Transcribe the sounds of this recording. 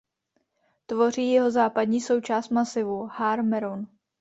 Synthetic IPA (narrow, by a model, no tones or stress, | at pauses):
t̪vo̞r̝iːjɛɦo̞zaːpadɲiːso̞wt͡ʃaːst̪masɪvuhaɾmɛɾon